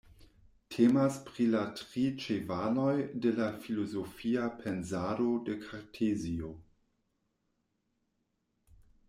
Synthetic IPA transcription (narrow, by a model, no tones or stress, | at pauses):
tʰemaspɾilatʁit͡ʃevano̞jdelafilozofiapʰenzadodekʰaɾtʰezio